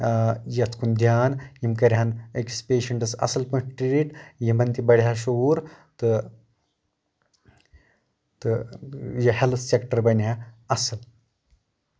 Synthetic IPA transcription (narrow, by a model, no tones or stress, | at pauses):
jɐt͡sʰkʰund̪ʱjaːnjimkɐɾʲjanekispeːʃɐɳʈɐsɐ̰sɐlpɐ̃ʈʈɾiɾiʈjimɐnt̪ibɐɽ̤jaʃoːɾ | t̪ɨ | t̪ɨjɐhelsekʈəɾbɐnjaɐsəl